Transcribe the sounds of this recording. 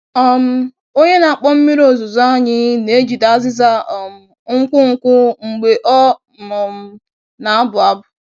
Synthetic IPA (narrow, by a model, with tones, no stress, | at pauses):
ɔ˦m̩˦ | o˦ɲe˦na˨a˨k͡pɔ˦m̩˦mi˦ɾo˨zʊ˨za˦ɲɪ˦ne˨˦d͡ʒi˨da˦zɪ˦za˦˨m̩˨ | ŋ̩˦kʷʊ˦ŋ̩˨kʷʊ˦ŋ͡m̩˨ɡ͡be˨ʔɔ˦˨ | ɔ˨m̩˦ | na˨a˦bʊ˨a˦bʊ˨